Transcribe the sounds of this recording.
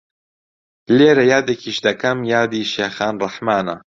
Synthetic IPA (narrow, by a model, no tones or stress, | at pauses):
leːɾɐjaːd̪ekʰiːʃd̪ɐkɐmjaːd̪iːʃeːxaːnrˤɐħmaːnɐ